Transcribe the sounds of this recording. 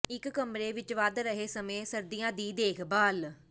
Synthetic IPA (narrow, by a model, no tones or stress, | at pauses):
ɪkːəmɾeːʋɪt͡ʃʋaːd̪ɾəɦeːsəmẽːsəɾd̪ijãːd̪iːd̪eːkʰbaːl